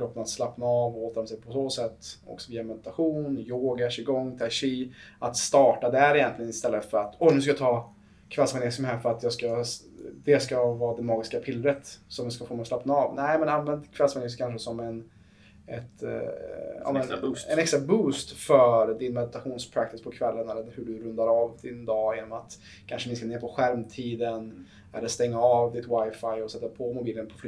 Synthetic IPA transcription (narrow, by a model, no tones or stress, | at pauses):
kɾɔp̪ːənat̪slapnaɑvoːt̪əɾɔmsɛpʰɔsoːsɛt̪ːɔ̰ksɔviːamɛd̪ɪ̥t̪aɧuːnjoːɡaɛʂɪɡɔŋːt̪ʰaʂiːat̪st̪ɑːʈad̪æɾɪjɛnt̪lɪɡənɪst̪ɛlːəfœɾat̪ɔnʉ̟s̬kajat̪ʰɑː | kʰvɛlsmanesəmhɦæːɾfœɾat̪jɑːɡska | d̪ɛskavɑːd̪ɛmɑːɡɪskapʰɪlːɾət̪sɔmjaskafoːmɛɔslapnaɑvnɛɪmɛnanvɛnd̪kʰvɛlsmanɪskʰanʂəsɔmɛn | ɛt̪ | a̰ɛnɛkst̪ɾabuːst̪fœɾd̪ɪnmɛd̪ɪt̪aɧuːnspʰɾak̚t̪ɪspʰɔkʰvɛlːənɛlːəɾhɵɖɵɾɵnd̪aɾɑvd̪ɪnd̪ɑːjɪnɔmat̪ | kʰanʂənɪnskaneːɾpʰɔɧæɾmt̪ʰiːd̪ən | ɛ̰lːəɾst̪ɛŋːaɑvd̪ɪt̪wajfajɔsɛt̪ːapʰɔmʊbiːlənpʰɔ̥fly